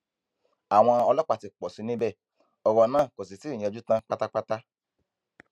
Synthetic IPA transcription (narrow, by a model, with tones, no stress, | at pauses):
a˨w̃ɔ̃˧ɔ˧lɔ˦k͡pa˨ti˨k͡pɔ˨si˨˧nĩ˦bɛ˦˨ | ɔ˨wɔ˨nãː˦˨ko˨s̬i˨ti˨˦ĩ˦˨˧d͡ʒu˦tã˦k͡pa˦ta˦k͡pa˦ta˦